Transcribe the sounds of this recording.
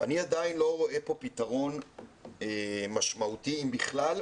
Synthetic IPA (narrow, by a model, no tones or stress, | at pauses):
aniad̪ainlo̞ʁo̞ʔe̞po̞pit̪aʁo̞n | emaʃmaut̪iimbiχlal